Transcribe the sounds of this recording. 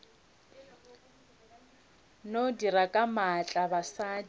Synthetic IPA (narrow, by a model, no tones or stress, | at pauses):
nodirakʼamat͡ɬʼabasad